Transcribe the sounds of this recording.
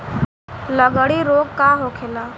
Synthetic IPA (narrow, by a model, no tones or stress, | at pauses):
ləɡəɽiːɾoːɡkaːɦokʰeːlaː